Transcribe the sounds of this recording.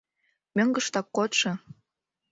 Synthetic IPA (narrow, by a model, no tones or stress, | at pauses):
møŋɡə̆ʃt̪ɑkːot̪ʃɤ̆